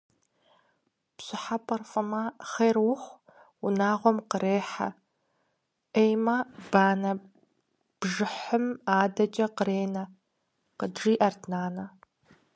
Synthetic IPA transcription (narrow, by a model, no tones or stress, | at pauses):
psɪħapʰʼɐrfɨmɐχerwʊχʷ | ʊnaːʁʷɔmqəɾeːħa̰ | ʔejmɐb̥aːnɐ | b̥ʒɨħəmaːdɐt͡ʃʼɐqəɾeːnɐ | qədʐiːʔɐrtʰnaːnɐ